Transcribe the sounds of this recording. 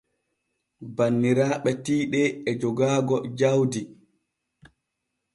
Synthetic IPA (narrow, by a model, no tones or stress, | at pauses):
banːiɾaːɓɛtiːɗɛɛd͡ʒɔɡaːɡɔd͡ʒawdi